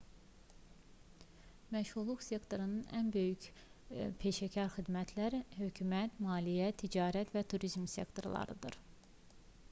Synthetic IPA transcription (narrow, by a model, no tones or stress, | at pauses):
mæʃhuɾlˠuxse̞kt̪ʰo̞ɾunɯnænbø̞jyc | pʰe̞ʃæcʰɑɾxid̪mæt̪ʰlæɾhø̞cʰymæt̪mɑːlijæt̪ʰːid͡ʒɑːɾæt̪ʰvæt̪ʰuɾizmsʲe̞̰kt̪ʰo̞ɾlˠɑ̰ɾɯd̪ɯ̰ɾ